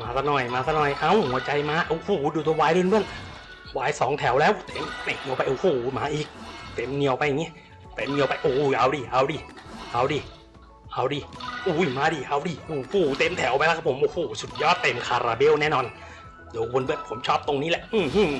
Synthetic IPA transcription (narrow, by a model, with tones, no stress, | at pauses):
maː˧sʰa˧˩nɔː˧˩jmaː˧sʰa˧˩nɔː˧˩jʔa˧˥˨whu˨˩˦ɐt͡ɕa˧jmaː˧˥ʔa˧˩huː˧˩˦duː˧t̪̬u˧waː˧˥jlɯ˧˥˨nbɯ˧˥˩ən | waː˧˩jsɔː˨˦ŋt̪ʰɛ˩˦wlɛː˦˥wt̪e˨˦mna˧˩ni˧ə˧wpa˧jʔo˧˩˨uː˧˩˧maː˨˦ʔiː˨˩k̚t̪e˧˩mni˧ə˧wpa˧jːa˨˩ŋːi˦˥˨ | t̪e˧˩˦mni˧ə˧wpa˧jʔuː˧˩˨ʔa˧˩wdiː˧˩ʔa˧˩wdiː˧˩ʔa˧˩wdiː˧˩ | ʔa˧˩wdiː˧˩ʔuː˧˩˧maː˧˩diː˧˩ʔa˧˩wdiː˧˩ʔu˧˩huː˧˩t̪e˧mt̪ʰɛ˨˩˦wpa˧jla˦kʰa˧pʰo˨˦mʔoː˧˩huː˧˩su˨˩t̪̚jɔː˧˥˩tt̪e˧mkʰaː˧ɾaː˧be˧˥˨wnɛː˥˩˨nɔː˧n | do˨˦wo˧nbɯ˧˩əpʰo˨˩˦mt͡ɕʰɔː˥˩p̚t̪o˧ŋniː˦˥˩lɛ˧˦ʔʔɯ˧˩h